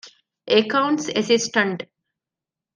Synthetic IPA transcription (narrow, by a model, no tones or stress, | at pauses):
ekãʊ̃ɳʈsesisʈə̃ɳʈ